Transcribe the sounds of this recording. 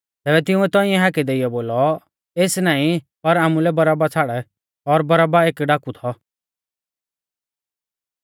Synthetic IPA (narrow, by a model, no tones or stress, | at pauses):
t̪ɛːbɛt̪ɪũɛt̪ɔ̃ːiɛ̃ɦaːkid̪eɪjɔboːlɔ | eːsnaːĩ | pɐɾaːmulɛbɐɾaːbat͡sʰaːɽɛ | ɔɾbɐɾaːbaeːkɖaːkut̪ʰɔ